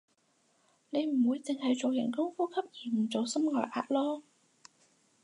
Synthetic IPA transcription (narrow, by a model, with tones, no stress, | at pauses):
ne˨˧jm̩˨˩wuː˨˧jt͡sɪ˨˧ŋɦɐ˨˧jt͡so˨wjɪ̰˨˩ŋkʊ˥ŋfuː˥kʰɐ˥p̚jiː˨˩m̩˨˩t͡so˨˧wsɐ˥mŋɔː˨jʔa̰ː˧t̚lɔː˥